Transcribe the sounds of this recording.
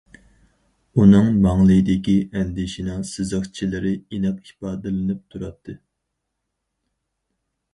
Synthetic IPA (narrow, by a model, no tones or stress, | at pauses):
unɨŋmɑŋlˠɨd̪ɪkʲiɛnd̪ɪʃinɑsɨzəχt͡ʃʰilɪɾɪinɛqipɑːd̪ɨlɨnɨp̚t̪ʰuɾɑt̪ʰːɨ